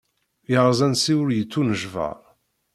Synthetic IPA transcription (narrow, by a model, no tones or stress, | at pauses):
jəʁzˤænsiwʊɾjət͡sːunəʒvə̰ɾˤ